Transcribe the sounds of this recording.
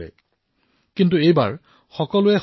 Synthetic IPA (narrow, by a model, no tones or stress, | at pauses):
ɛ̰ | kintuejba̰ɹ | xɔkɔlʊɛ